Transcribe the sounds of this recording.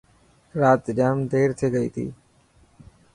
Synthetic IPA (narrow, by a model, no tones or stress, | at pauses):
ɾaːt̪d͡ʒaːmd̪ʱeːɾt̪ʰeːɡəḭːt̪ʰḭː